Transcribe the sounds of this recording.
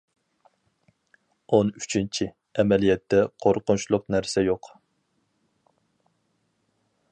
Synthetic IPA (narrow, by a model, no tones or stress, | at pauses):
ony̥t͡ʃʰint͡ʃʰi | ɛmɛlijɛt̪ʰːɛqʰoɾqʊnt͡ʃlˠʊqnæɾsɛjoq